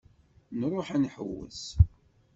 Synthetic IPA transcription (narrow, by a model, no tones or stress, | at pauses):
nɾˤoħænħwːə̰s